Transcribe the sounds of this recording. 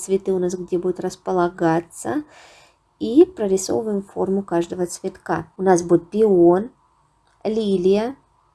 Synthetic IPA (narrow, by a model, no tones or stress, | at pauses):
t̪svʲɪt̪ɨʊnas̬ɡdʲebudʲɪt̪ɾəspəlˠɐɡat̪sə | ipɾəɾʲɪso̞̰vvəjɪmfo̞̰rmʊkaʐd̪əvət̪svʲɪt̪kaʊnasbudʲɪt̪̚pʲɪon | lʲilʲɪjə